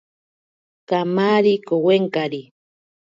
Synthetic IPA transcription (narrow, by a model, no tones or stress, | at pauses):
kamaːɾikoweŋkaɾi